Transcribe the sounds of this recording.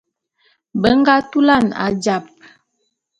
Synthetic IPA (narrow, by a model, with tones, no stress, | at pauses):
bə˦ŋ˦ɡa˦tu˦la˦˨na̰˨d͡ʒa˨p̚